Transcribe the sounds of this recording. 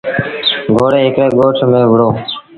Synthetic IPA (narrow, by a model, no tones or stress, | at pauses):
ɡʱoːɽeːɦɪkɾeːɡoːʈʰmẽːʋəɽoː